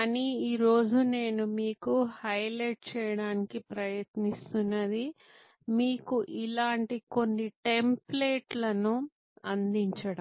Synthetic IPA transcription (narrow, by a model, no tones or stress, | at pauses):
kːniiːɾo̞ːd͡ʒune̞ːnumiːkuhɐjleʈ̚t͡ʃɛːjɐɽaːnikipɾɐjɐt̪nist̪unːɐd̪i | miːkuʔilaːɳʈiko̞nːiʈempleːʈlɐnu | ɐnd̪iɲt͡ʃɐɽɐ